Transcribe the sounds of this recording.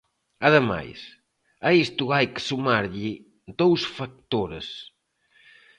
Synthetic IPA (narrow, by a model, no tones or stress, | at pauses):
aðəma̰js | aist̪uajksumaɾʎi | d̪owsfak̚t̪oɾə̰s